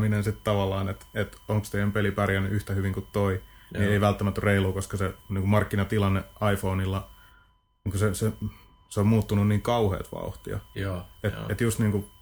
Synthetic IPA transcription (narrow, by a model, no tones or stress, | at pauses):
minensit̪t̪ɑʋɑlːɑːnet̪et̪oŋkst̪ejæmpelipærjænːyʔyht̪æhyʋiŋkut̪toinieiʋælt̪ːæmæt̪ːyreiluːkoskɑseniːŋkumɑrkːinɑt̪ilɑnːeɑifoːnilːɑ | niːŋkusese | seommuːt̪ːununniːŋkɑuhḛːt̪ʋɑ̰uht̪ḭɑ̰et̪et̪just̪niːŋku